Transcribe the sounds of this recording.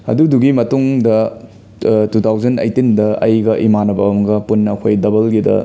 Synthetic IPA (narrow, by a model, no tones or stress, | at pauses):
ɐ̰duduɡimɐtuŋdɐ | tut̪ʰawzɐnɐ̰jtindɐɐ̰jɡɐʔimanɐbɐwmɐɡɐpunːɐːkʰojdɐbɐlɡidɐ̰